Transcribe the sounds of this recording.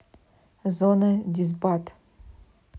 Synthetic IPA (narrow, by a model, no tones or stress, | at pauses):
zonɐdʲizbat